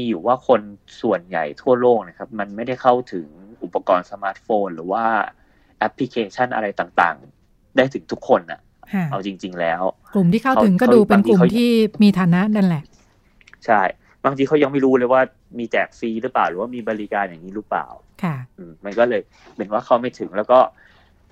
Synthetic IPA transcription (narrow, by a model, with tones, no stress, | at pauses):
iː˧juː˨˩waː˥˩kʰo˧nsu˨˩ənja̰˨˩jt̪ʰu˥˩ɐloː˥˩k̚na˦˥kʰa˦˥p̚ma˧nma˥˩jda˥˩jkʰa˥˩wt̪ʰɯ˩˦ŋʔu˨˩pːa˧kɔː˧nsa˧maː˦˥t̪̚foː˧nɾɯ̰ː˩˦waː˥˩ | ʔɛ˦˥pʰli˦˥kʰeː˧t͡ɕʰa˥˩nʔa̰˧ɾa˧jt̪aː˨˩ŋt̪a̰ː˨˩ŋ | daː˥˩jt̪ʰɯ˩˦ŋt̪ʰu˦˥kʰːo˧nʔa̰˨˩ʔ | kʰa˥˩ʔa˧wt͡ɕi˧ŋt͡ɕi˧ŋlɛː˦˥wklu˨˩mt̪ʰiː˥˩kʰa˥˩wa˦˥ɯ˩˦ŋkɔː˥˩˥duː˧pe˧nʰlu˨˩˥t̪ʰiː˥˩miː˧t̪ʰaː˨˦na˦˥na˧nlɛ˨˩ʔ | t͡ɕʰa˥˩j | baː˧ŋt̪ʰiː˧kʰa˦˥wja˧ŋma˥˩jɾuː˦˥lɤ˧jwaː˥˩ | miː˧t͡ɕɛː˨˩k̚siː˧˩ɾɯː˦˥plaː˨˩wɾɯː˩˦waː˥˩miː˧bɔː˧li˦˥kaː˧njaː˨˩ŋniː˦˥ɾɯː˦˥pla̰ː˨˩w | kʰa˥˩ʔɯː˨˩mma˧nkɔː˥˩lɤː˧jʰ | e˨˩˦nwaː˥˩kʰa˦˥˩wma˥˩t̪ʰɯ˩˦ŋlɛː˦˥wkɔː˥˩